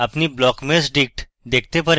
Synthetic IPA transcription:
ɐpniblɔːkmesɖɪk̚ʈ | d̪eːk̚ʰt̪epɐɾ

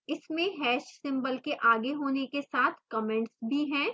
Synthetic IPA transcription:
ɪsmẽɦɛːʃsɪ̃mbəlkeʔaːɡeɦoːnekesaːt̪ʰkɔmɛ̃ɳʈsbʱiɦɛ̃ː

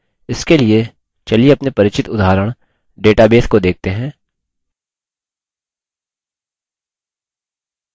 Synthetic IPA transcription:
ɪskelie | t͡ʃɐlieɐpnepɐɾɪt͡ʃɪt̪ʊd̪aːɾəɽ̃ | ɖeːʈabeːskod̪eːk̚t̪eɦɛ̃ː

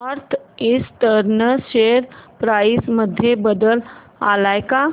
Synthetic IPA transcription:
əɾt̪ʰɪst̪əɾnəʃeɾpɾaɪsməd̪ʱːjebəd̪əl | a̰lajka

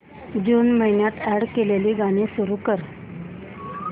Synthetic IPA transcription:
d͡ʑuːnməɦinjat̪ɛɽkeleliːɡaɽ̃isuɾuːkəɾ

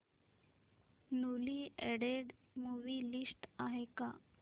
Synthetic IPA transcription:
nuliːɛɽeɽ | muʋiːlisʈaɦeka

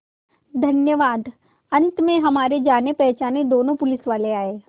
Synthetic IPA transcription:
d̪ʱɐnjəʋaːd̪ | ɐ̃nt̪mẽɦɐmaːɾed͡ʒaːnepɛɦt͡ʃaːned̪oːnõpʊlɪsʋaːleaːeː

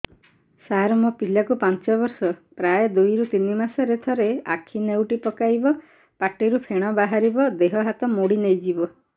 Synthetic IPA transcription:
saɾɔmupilakupant͡ʃɔbɔɾsɔpɾajɔd̪ujɾut̪inimasɔɾet̪ʰɔɾea̰kʰinewʈipɔkajbɔ | paʈiɾupʰeɽ̃ɔbaɦaɾibɔd̪eɦɔɦat̪ɔmoɽinejd͡ʒibɔ

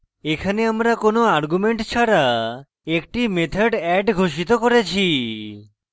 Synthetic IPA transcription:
ekʰaneamɾakonoaɾɡumeɳʈt͡ɕʰaɾa | ek̚ʈimet̪ʰaɖɛɖɡʱoʃit̪okoɾet͡ɕʰi

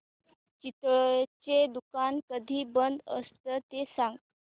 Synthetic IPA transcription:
t͡ɕit̪t͡ɕed̪ukankəd̪ʱiːbənd̪ə̰st̪ət̪esaŋɡ̪

